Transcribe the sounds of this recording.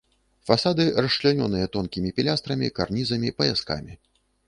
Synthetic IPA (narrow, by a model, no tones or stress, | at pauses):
fasad̪ɨrɐʂʂlʲanʲɔnɨjɐt̪ɔnkʲimʲipʲilʲast̪ɾɐmʲikarnʲizɐmʲipɐjaska̰mʲi